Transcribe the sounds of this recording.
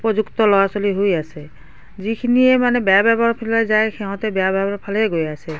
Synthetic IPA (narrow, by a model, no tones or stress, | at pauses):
pɔd͡ʒukt̪ɔlɔwasɔliɦojasɛ | zikʰiniɛmanɛbeababʱaɹpʰilajzajxʰɛɦɔ̃t̪ɛbjabʱabɔɹpʰalɛɡojasɛ